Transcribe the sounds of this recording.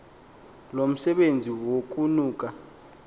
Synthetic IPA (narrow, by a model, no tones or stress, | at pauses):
lom̩sɛɓend͡zʱiwok̬ʼunuːk̬ʼa